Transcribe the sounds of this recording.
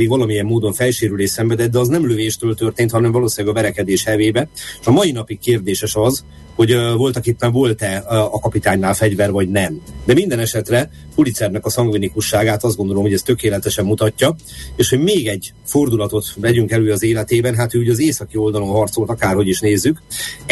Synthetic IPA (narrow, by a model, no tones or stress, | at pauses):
iːɡʋɒlɒmijɛmːoːd̪o̞ɱfɛlʃeːɾyleːsɛmbɛd̪ɛd̪ɛɒznɛmløveːʃt̪øːlt̪ø̞rt̪eːnt̪hɒnɛɱvɒloːsilaɡɒvɛɾɛkɛd̪eːʃhɛveːbɛʃɒmɒinɒpikkeːrd̪eːʃɛʃɒz | ho̞ɟvo̞lt̪ɒkipːɛɱvo̞lt̪ɛɒkɒpit̪aːɲnaːlfɛɟvɛrvɒɟnɛmd̪ɛmind̪ɛnɛʃɛt̪rɛulit̪sɛrnɛkɒsɒŋɡvinikuʃːaːɡaːt̪ɒzd̪ɡo̞nd̪o̞lo̞mhoɟɛst̪økeːlɛt̪ɛʃɛmːut̪ɒcːɒeːʃhoɟmeːɡɛɟ | fo̞rd̪ulɒt̪o̞t̪vɛɟyŋkɛløːɒzeːlɛt̪eːbɛnɦaːt̪øuɟɒzeːsɒkio̞ld̪ɒlo̞nɦɒrt̪so̞lt̪ɒkaːrho̞ɟiʃneːzːyk